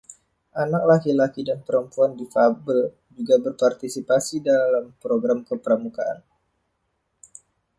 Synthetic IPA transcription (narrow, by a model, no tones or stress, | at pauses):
ʔanak̚lakilakidanpəɾəmpuandifabəl | d͡ʒuɡabərpart̪isipasidalampɾoɡɾamkəpəɾəmukaʔa̰n